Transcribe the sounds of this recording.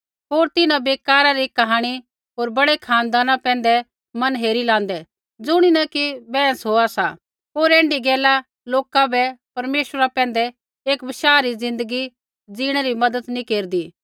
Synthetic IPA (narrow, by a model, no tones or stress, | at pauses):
ɦoːɾt̪ɪnãbeːkaːɾaɾikɐɦaːɽ̃i | ɦoːɾbɐɽekʰaːnd̪aːnãpɛ̃ːnd̪ɛ | mɐnɦeːɾilãːnd̪ɛ | d͡zʊɽ̃inɐkibɛ̃ːsɦoːasa | poːɾɛ̃ːɳɖiɡɛːla | loːkabɛpɐɾmeːʃɾapɛ̃ːn̆d̪ɛ | eːkbɪʃaːɾizɪ̃nd̪əɡi | d͡ziːɽ̃ɛɾimɐd̪ət̪nĩkeːɾd̪iː